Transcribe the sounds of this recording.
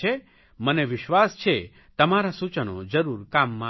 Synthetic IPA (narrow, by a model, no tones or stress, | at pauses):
e | məneʋɪʃʋast͡ʃʰe | t̪əmaɾasut͡ʃəno̰d͡ʒəɾuɾkamːã